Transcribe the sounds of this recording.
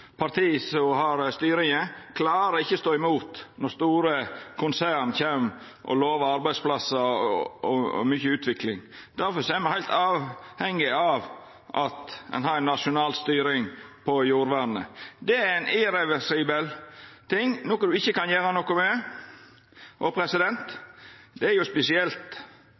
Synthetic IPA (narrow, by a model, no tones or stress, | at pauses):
pʰɑɾt̪ʰiːsɔhɑɾst̪yːɾɪŋəkʰlɑːɾəɪçːəst̪oːɪmuːt̪nɔɾst̪uːɾəkʰʊnsæːɾɳnçeːm | ʔɔ̰loːʋəɾɑɾbæɪsplɑsːəɔ̰myçəʉːt̪ʰʋɪklɪŋ | d̪̥æɾfɔsɔɛɾmɑnhæɪlt̪ɑːʋhɛŋːɪɑʋ | ʔɑt̪ɛ̰nɦɑɾɛnːɑʂʊnɑːlst̪yːɾɪŋpʰɔjuːɾʋæɳnə̰d̪ɛæɾæɪnʔɪɾɛʋɛʂiːbəlt̪ʰɪŋnoːkəd̪ʉɪçːəkɑnjæːɾənɔkʊmɛ | ʔɔpʰɾɛsɪd̪ɛnt̪d̪ɛæɾjʊspɛsɪɛlt̪